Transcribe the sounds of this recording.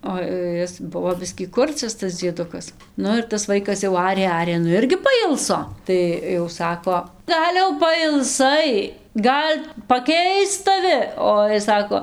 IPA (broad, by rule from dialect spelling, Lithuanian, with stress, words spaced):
oː ˈɪs ˈbʊʋoː ˈbʲɪsʲkʲiː ˈkʊrʲt͡sʲɛs ˈtɐs d͡zʲiɛˈdʊkɐs ˈnʊ ɪr tɐs ˈʋɐɪkɐs jɛʊ ˈɑːrʲeː ˈɑːrʲeː ˈnʊ ˈɪrʲɡʲɪ pɐˈɪlˠsoː ˈtɐɪ jɛʊ ˈsɑːkoː ˈɡɐlʲ jɛʊ pɐɪlˠˈsɐɪ ˈɡɐlʲ pɐˈkʲɛɪst tɐˈʋʲɪ ˈoː jɪs ˈsɑːkoː